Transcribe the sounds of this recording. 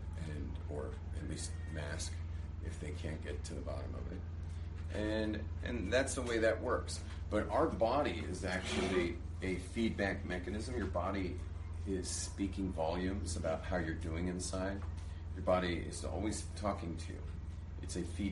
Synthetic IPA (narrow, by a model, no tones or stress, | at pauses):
ɨ̃n | ə˞ | ɨtˡlist̚mæsk | ʔɨ̰fðeɪkʰæ̃nɡ̥ɛtʰɨðəbɑ̰ɾɨ̰̃mʌ̰vɪ̰t̚ | ʔɨ̃nʔɨ̰̃nðætsðəweɪðɨʔwɜ˞ks | b̥ʌɾʔaʊə˞bɑɾiɪ̰zæk̚t͡ʃʉl̩ˠi | ɨfid̚bæk̚mɛkɨnɨzɨ̃mjə˞bɑɾi | ɪz̥spikɪ̃ŋvɑlˠjʉ̃mzəbaʊt̚haʊjə˞dʉɪ̃ŋɨ̃nsaɪd̚ | jə˞bɑɾiɪ̰zɔ̰lˠwiz̥tʰɔkɪ̃ŋtʰʉ̰ | ʔɨtsɨfi